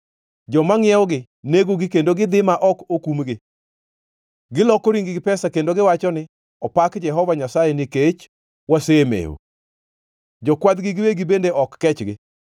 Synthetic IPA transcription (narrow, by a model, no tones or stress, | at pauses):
d͡ʒɔmaŋɪɛɔɡɪ | neɡoɡɪkendoɡɪd̪ɪmaʔɔkokumɡɪ | ɡɪlɔkoɾiŋɡɪɡɪpɛsakendoɡɪwat͡ʃɔnɪ | ɔpakd͡ʒɛɦɔvaɲasajenɪket͡ʃ | wasemḛo̰ | d͡ʒɔkwad̪ɡɪɡɪweɡibendeʔɔkːɛt͡ʃɡɪ